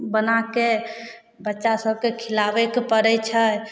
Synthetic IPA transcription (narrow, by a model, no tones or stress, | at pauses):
bənake | bətːʃasəb̚kekʰilabekpəɾəjt͡ʃʰə